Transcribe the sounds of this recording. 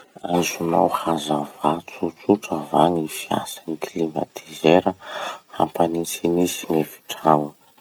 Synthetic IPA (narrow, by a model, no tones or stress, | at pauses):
ajzuma̰whazavat͡sut͡suʈ͡ʂəvaŋifia̰saniklima̰t̪ʰizeɾəha̰mpanint͡sinisinefi̥ʈ͡ʂrawə